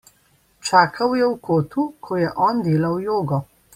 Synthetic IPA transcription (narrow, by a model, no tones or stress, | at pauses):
t͡ʃaːkʰawjɛwkoːt̪ukʰɔjɛʔɔːnd̪eːlawjoːɡɔ